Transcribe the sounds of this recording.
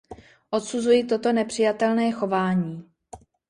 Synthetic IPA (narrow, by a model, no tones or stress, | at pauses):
ʔo̞t̪suzujit̪ot̪o̞nɛpr̝̥ɪjat̪ɛlnɛːxo̞vaːɲiː